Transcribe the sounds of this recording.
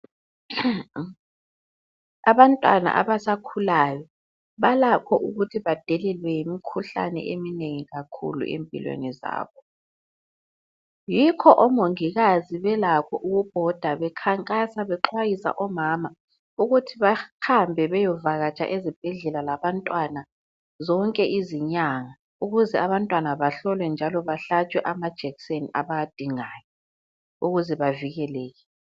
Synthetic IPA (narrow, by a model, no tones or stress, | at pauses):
aβantʼwa̰na̰ʔa̰βasakʰulaːjɔ | βalakʰɔʔuɣutʰiβad̥ʱɛlɛlwɛjimikʰuɬa̰nɛ̰ʔemineŋiɣakʰṵlṵʔḛmpʼḭlwḛniza̰ːβɔ | jikʰɔʔɔmoŋiɣaziβɛlakʰɔʔuɣub̥ʱɔd̥ʱaβɛkʰaŋkʼasaβɛǃʰwajisa̰ʔɔmama | uɣutʰiβaxambʱɛβɛjɔvaɣat͡ʃʼa̰ʔezib̥ʱɛɮɛlalaβantʼwana | zɔŋkʼɛʔiziɲaŋa | uɣuzɛaβantʼwanaβaɬɔlwɛnd͡ʒʱalɔβaɬat͡ʃʼwɛʔamad̥ʒ̥ʱɛɣiseniʔaβajad̥ʱiŋaːjɔ | uɣuzɛβaviɣɛlɛːɣɛ